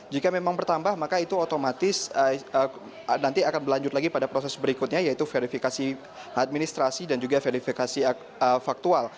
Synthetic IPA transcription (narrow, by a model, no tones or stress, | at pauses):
d͡ʒikamemaŋbərt̪ambahmakait̪uot̪omat̪ɪsəə | nant̪iakanbəlaɲd͡ʒʊt̪̚laɡipadapɾosɛsbəɾikʊt̪̚ɲajait̪ufeɾifikasi | at̪̚minist̪ɾasidand͡ʒuɡafeɾifikasi | əfak̚t̪ual